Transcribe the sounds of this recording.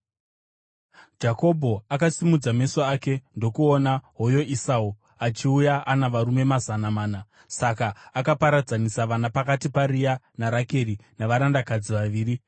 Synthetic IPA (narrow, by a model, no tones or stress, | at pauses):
d͡ʒako̞bʱo̞akasimud͡zame̞soaːke̞ndo̞kuonaɦo̞jo̞ʔisau | at͡ʃiujaʔanaʋaɾume̞mazanamaːna | sakaːkapaɾad͡zanisaʋanapakatiparija | naɾake̞rinaʋaɾandakad͡ziʋaʋiːri